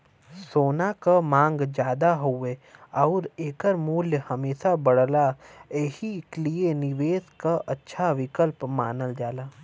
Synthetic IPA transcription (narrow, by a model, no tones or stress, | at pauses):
soːnakamãːŋɡd͡ʒjaːd̪aɦueɔːɾeːkəɾmuːljəhɐmeːsabɐɽ̤laeːhiklienɪʋeːskaʔɐtːʃʰaʋɪkəlpmaːnəld͡ʒaːlaː